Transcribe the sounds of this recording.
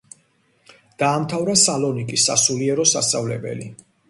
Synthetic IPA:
d̪̥aːmt̪ʰavɾasalɔnikʼisːa̰suliɛɾɔsa̰st̪ʼavlɛbɛ̰li

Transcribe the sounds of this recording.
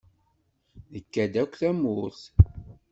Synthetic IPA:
ðəkːæd̪ækʷθæmʊθ

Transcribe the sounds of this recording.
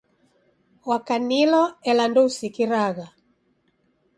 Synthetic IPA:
wakanilɔɛlandɔusikiɾaɣa

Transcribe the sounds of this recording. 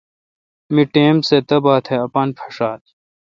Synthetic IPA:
miʈeːmset̪ɐbaːt̪ʰheɐpaːnpʰɐ̥ʂaːt̪

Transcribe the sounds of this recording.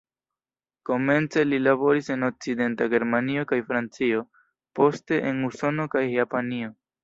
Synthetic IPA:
ko̞me̞nt͡se̞lilabo̞ɾise̞no̞k̚t͡side̞ntaɡe̞ɾmanio̞kajfɾant͡sio̞ | po̞ste̞ʔenuso̞no̞kajjapanio̞

